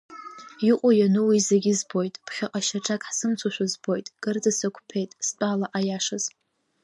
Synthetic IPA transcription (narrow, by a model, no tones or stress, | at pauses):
iqʷʼʊjanuwizeɡʲɪzbo̞jtʼpʰχʲaqʼaʃaʈ͡ʂʼakʼħsɨmt͡sʷʰaʃʷᶣazbo̞jtʼɡ̥ʼɨrdɨsakʷʰʼpʰe̞jtʼst͡pʼalaʔajaʂɨz̥